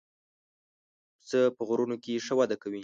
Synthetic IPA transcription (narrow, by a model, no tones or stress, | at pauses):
t͡səpəɣɾunokeʂəwad̪akawi